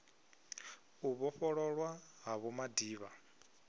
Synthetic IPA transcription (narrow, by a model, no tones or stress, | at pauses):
uβɔɸɔɺɔɺwaɦaβɔmadiːβa